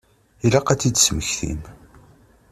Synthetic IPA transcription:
ilæqæt͡sːid̪sməçθḭm

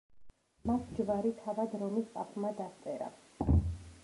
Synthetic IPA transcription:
makʰd͡ʒvaɾit̪ʰavad̪ɾɔmisp̪ʼapʰmad̪ast̪sʼɛɾa̰

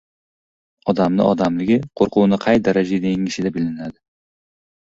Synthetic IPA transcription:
ɒd̪amnɪ̰ʔɒ̰d̪amlɪɡʲɪqʰoɾqʊwnɪqʰɑjd̪aɾad͡ʒad̪aŋɪʃɪd̪abɪlɪnad̪ɪ

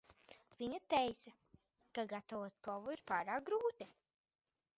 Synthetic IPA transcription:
viɲat̪ɛjt̪sa | kaɡat̪avoɔt̪̚klˠɔvuiɾpaːɾaːk̚ɡɾuːt̪i

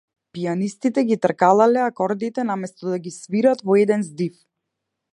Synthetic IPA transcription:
pijanist̪it̪ɛɡit̪ɾkalˠalɛakɔɾd̪it̪ɛnamɛst̪ɔd̪aɡisviɾat̪vɔɛd̪ɛnzd̪if

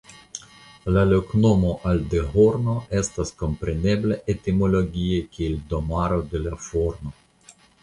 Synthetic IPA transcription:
laloknomo̞ʔald̪eɦo̞ɾno̞e̞stasko̞mpɾe̞ne̞ble̞ʔet̪imo̞lo̞ɡʲiekʲield̪o̞maɾo̞d̪e̞lafoɾno̞

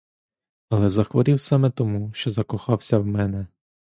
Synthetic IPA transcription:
ɐlˠɛzɐxʋɔɾʲiwsɑmɛt̪ɔmuʃt͡ʃɔzɐkɔxɑwsʲɐwmɛnɛ

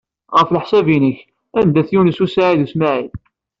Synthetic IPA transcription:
ʁəfləħsævinəç | ænd̪æθjunəsusaʕiðusmaʕið

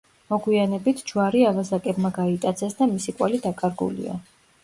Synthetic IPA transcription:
mɔɡwianɛbit̪ʰd͡ʒwaɾiavazakʼɛbmaɡait̪ʼat̪sʰɛsd̪amisikʼwɛ̰lid̪akʼaɾɡṵlḭa̰

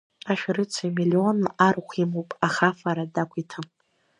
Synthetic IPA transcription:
aʃᶣɾɨt͡sʰaimilio̞narχʷimowpʼaχafaɾadakʷʰitʰɨm

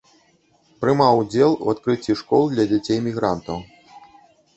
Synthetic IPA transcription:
pɾɨmawd͡zʲɛlˠṵat̪kɾɨt͡sʲːiʂkɔlˠd̪lʲɐd͡zʲat͡sʲejmʲiɣɾant̪ɐw

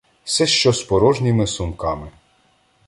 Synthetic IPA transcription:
sɛʃt͡ʃɔspɔɾɔʒnʲimɪsʊmkɑmɪ

